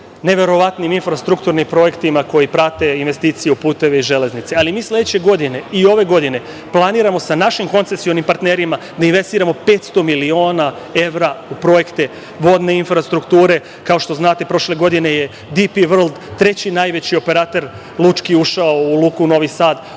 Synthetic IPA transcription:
ne̞ʋe̞ɾo̞ʋat̪niminfɾast̪ɾukt̪uɾnimpɾo̞je̞kt̪imako̞jipɾat̪e̞inʋe̞st̪iːt̪sije̞upuːt̪e̞ʋe̞iʒe̞le̞znit̪se̞alimiːslʲe̞d̪et͡ɕe̞ɡo̞d̪ine̞io̞ʋe̞ɡo̞d̪ine̞ | plˠaniːɾamo̞sanaʃimko̞nt̪se̞sionimpaɾt̪neɾima | d̪ainʋe̞st̪iːɾamo̞pe̞t̪st̪o̞milio̞ːna | e̞ʋɾaupɾo̞je̞kt̪e̞ | ʋo̞d̪ne̞infɾast̪ɾukt̪uːɾe̞ | kao̞ʃt̪o̞znaːt̪e̞pɾo̞ʃle̞ɡo̞d̪ineje̞ | d̪ipiʋr̩lˠd̪t̪ɾe̞t͡ɕinajʋe̞t͡ɕio̞pe̞ɾat̪e̞ɾ | lˠut͡ʃkiuʃaoulˠuːkuno̞ʋisaːd̪

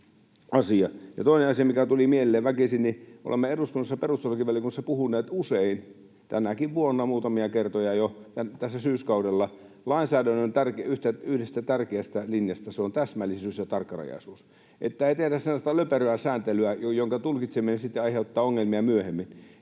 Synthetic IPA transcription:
ʔɑsiɑjɑt̪oˑineɑsiɑmikæt̪ulimielːˑeːʋʋækisinniʔo̰lʔemːeeɾust̪unusːeperust̪olɑkiʋælːˑiækunsepuhunːˑeːt̪usein | t̪ænækiʋʋuonːɑmuːt̪ɑmiɑkert̪ojɑjot̪ænt̪æsːæsyːskɑudelːɑ | lɑinsæːdænːont̪ærkeyht̪æyhdest̪æt̪ærkeæst̪ælinjɑst̪ɑseont̪æsmælːˑisyːsjɑt̪ɑrkːɑrɑ̰jɑ̰ˑisuːs | ʔḛt̪ːæeˑit̪ehɾæssenlːɑst̪ɑløperøæsæːnt̪elyæjojoŋkɑt̪ulkit̪seminensit̪ːeɑiheut̪ːɑːoŋːelmiɑmyøhemːin

